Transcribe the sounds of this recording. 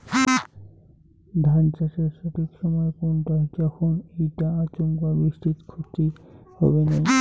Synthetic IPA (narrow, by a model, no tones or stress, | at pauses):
d̪ʱant͡ɕaʃeɾʃɔʈʰikʃɔmɔekonʈad͡ʑɔkʰonejʈaat͡ɕoŋkabɾiʃʈit̪kʰot̪ihɔ̰benaj